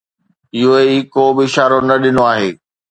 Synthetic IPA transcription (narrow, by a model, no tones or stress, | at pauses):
ɪɦoikoːbɪɪʃaːɾonɐɗɪnoaːɦeː